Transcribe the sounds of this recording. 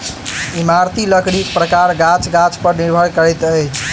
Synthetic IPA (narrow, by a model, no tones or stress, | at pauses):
imaɾt̪iləknikpɾəkaɾɡat͡ʃɡat͡ʃpəɾniɾbʱəɽkəɾɛt̪ət͡ʃʰ